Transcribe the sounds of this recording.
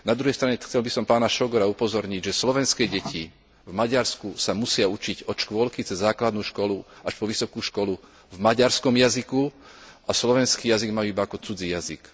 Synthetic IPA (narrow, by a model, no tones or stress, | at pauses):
nad̪ɾuɦɛjst̪ɾaɲɛxt͡sɛlbisɔmpaːnaʃɔɡɔɾaupɔzɔɾɲiɟʒɛslɔʋɛnskɛɟɛcʰi | vmaɟaɾskusamusɪaut͡ʃiɟɔʃkʊʋɔlkit͡sɛzːaːklad̪nuːʃkɔluaʃpɔʋisɔkuːʃkɔlu | vmaɟaɾskɔmjazikuʔaslɔʋɛnskiːjaziɡmajuːibaakɔt͡sud͡zijazik